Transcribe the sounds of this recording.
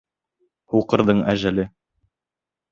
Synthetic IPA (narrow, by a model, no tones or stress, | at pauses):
huqɤ̆ɾðɤɴæʒælɘ